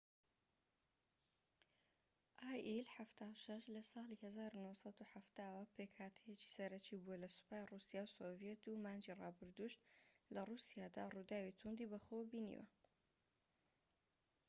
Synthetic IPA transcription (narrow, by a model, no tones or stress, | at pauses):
ʔaːjʔilħaft̪ʰaːwʃɐʃlɐsɑːlihɐzaːɾunowsɑd̪uħaft̪aːwɐpʰeːkhaːt̪ʰəjet͡ʃi̥sɐɾɐt͡ʃibuɐlɐsɨ̥paːjrusijaːwsovijet̪umaːnd͡ʒirɑːbɨɾd̪uʃlɐrusijaːd̪a̰rud̪aːwit̪ʰund̪ibɐχowbinḭwɐ̰